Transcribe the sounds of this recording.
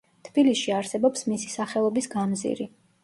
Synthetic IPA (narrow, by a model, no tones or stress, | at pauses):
t̪ʰb̥ilisʃiaɾsɛbɔpsmisi̥saχɛlˠɔbisɡamzḭɾi